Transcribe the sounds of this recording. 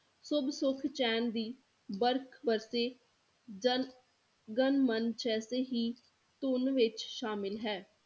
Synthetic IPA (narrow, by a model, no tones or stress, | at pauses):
sʊbsʊkʰt͡ʃɛːnd̪iː | bəɾkʰbəɾseː | d͡ʒən | ɡənmənt͡ʃɛːseːɦiː | t̪ʊnʋɪt͡ʃʃaːmɪlɦɛː